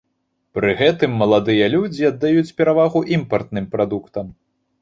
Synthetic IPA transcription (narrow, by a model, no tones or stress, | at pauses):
pɾɨɣɛt̪ɨmːɐlˠad̪ɨjɐlʲud͡zʲiɐd̪ːajut͡sʲpʲɛɾavaɣuʔimpɐrt̪̚nɨmpɾad̪ukt̪ɐm